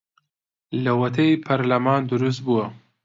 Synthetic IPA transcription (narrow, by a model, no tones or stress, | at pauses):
lɐwɐt̪ʰɐjpʰɐɾlɐmaːnd̪uɾus̬t̪̚buwɐ